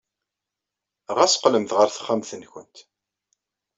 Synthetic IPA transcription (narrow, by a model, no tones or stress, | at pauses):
ʁæsə̥qləmθʁəɾθə̥χːæmθənçʷə̰nt̪